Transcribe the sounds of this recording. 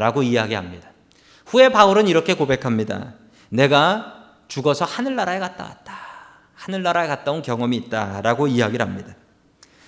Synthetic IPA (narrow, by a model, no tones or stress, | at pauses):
ɾaɡoiaɡiɦamɲida | ɸue̞pauɾɯniɾʌkʰe̞kobe̞kʰamɲida̰ | ne̞ɡa | t͡ɕuɡʌsʰʌhanɯɭːaɾaekat̚t͈a̰wa̰t̚t͈ḁ | hanɯɭːaɾaekat̚t͈aonkjʌŋʌmiːt̚t͈aɾaɡoiaɡiɾɦamɲida